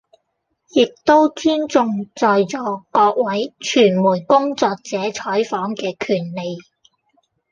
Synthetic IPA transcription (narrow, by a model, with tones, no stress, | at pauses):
jɪ˨k̚t̪o˥wt͡syː˥nt͡sʊ˧ŋt͡sɔː˨jt͡sɔː˨˥kɔː˧k̚wɐ˨˥jt͡ʃʰyː˨˩nmuː˨˩jkʊ˥ŋt͡sɔː˧k̚t͡sɛː˨˥t͡ʃʰɔː˨˥jfɔː˨˥ŋkɛː˧kʰyː˨˩nle˨j